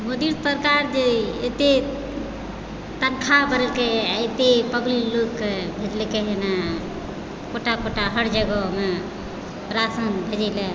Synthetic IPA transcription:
məd̪iɾsəɾkaɾd͡ʒeet̪e | t̪ənkʰabəɾəlkeet̪epəbllokebʱiɾlkeɦena | koʈakoʈaɦəɽd͡ʒəɡəme | ɾasənbʱəd͡ʒele

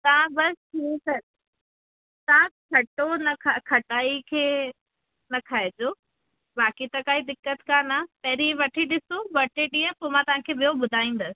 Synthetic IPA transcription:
t̪ɐʋãbɐsʈʰiːsɐɾ | t̪ɐʋãkʰɐʈonɐkʰakʰɐʈaːikʰeː | nɐkʰaːed͡ʑoː | baːkit̪ɐkaːid̪ɪkːət̪kanapɐɦɾiʋɐʈʰiɗɪsoʋɐʈʰeɗĩə̃poːmãt̪ɐʋ̤ãkʰeːɓijoɓʊd̪ʱaːĩːn̆d̪əsɪ̥̆

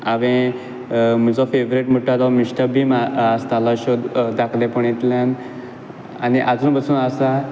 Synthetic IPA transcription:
aʋẽ | mid͡zɔfeʋɾiʈmuʈad̪ɔmiɕʈəbʱimaast̪alaɕod̪d̪akʰlẽpəɳ̃it̪ljan | a̰niʔad͡zuːnbəsuːnasa

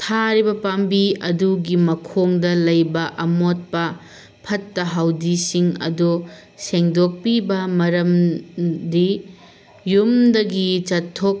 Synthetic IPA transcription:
tʰaɾibɐpambiɐduɡimɐkʰoŋdɐlɐjbɐʔɐmot̚pɐ | pʰɐtːɐɦawdisiŋɐ̰du | seŋdok̚pibɐmɐɾɐm | di | jumdɐɡit͡ʃɐtʰːok̚

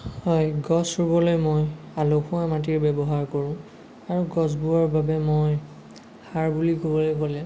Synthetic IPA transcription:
hɔjɡɔsuɹbɔlojmojalokʰũamatiɹbɛbɔɦaɹkoɹʊ̃ | aɹuɡɔsbuaɹbabɛmoj | haɹbulikobɔlojkolɛ

